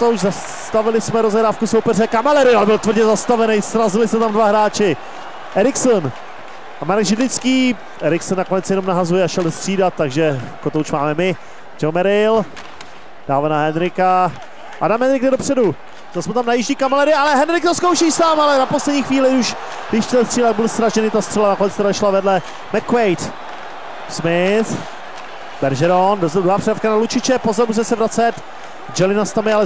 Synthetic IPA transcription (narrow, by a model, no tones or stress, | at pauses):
ot̪owʃza | t̪avɪlɪsmɛɾo̞zɛɦɾaːfkusowpɛrɛkamalɛɾɪalɛbɪlt̪vr̩ɟɛzast̪avɛnɛjsɾazɪlɪsɛt̪amdvaɦɾaːt͡ʃɪ | ʔɛɾɪksən | kamaɾakʒɪdlɪt͡skiː | ʔɛɾɪksɛnːako̞nɛt͡sjɛno̞mnaɦazujɛaʃɛlst̪r̥iːdat̪̚tːaɡʒɛakot̪owʃmaːmɛmɪ | t͡ʃɛlmɛɾɪl | d̥aːvanaɦɛnɾɪka | ʔa̰damɛnɾɪkdɛdopr̥ɛdu | zasmut̪amnajɪʒɲiːkamalɛɾɪalɛɦɛnɾɪk̚t̪oskowʃiːsaːmalɛnapo̞slɛdɲiːxviːlɪuʃ | vɪʃtɛlɛst̪riːlaɡ̚bɪlsɾaʒɛnɪt̪ast̪r̥ɛlanakonɛt͡st̪aɾaʃlavɛdlɛ | mɛkvɛjt̪ | smɪθ | bɛɾʒɛɾondozɛd̪ɾoaːpr̥ɛdafkanalut͡ʃɪt͡ʃɛpozoɾmus̬ɛmɛsɛvɾat͡sɛt̪ | d͡ʒɛlɪnast̪amɪalɛ